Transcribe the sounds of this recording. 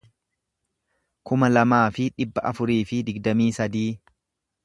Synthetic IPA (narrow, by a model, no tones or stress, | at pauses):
kʊmɐlɐmaːfɪᶑɪbːɐʔɐfʊɾiːfɪd̪ɪɡd̪ɐmiːsɐd̪iː